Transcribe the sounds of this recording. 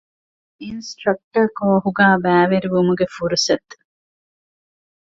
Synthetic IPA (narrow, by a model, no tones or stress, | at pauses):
insʈɾɐk̚ʈɐkoːɦuɡaːbæːʋeɾiʋumuɡefuɾusɐt̪ː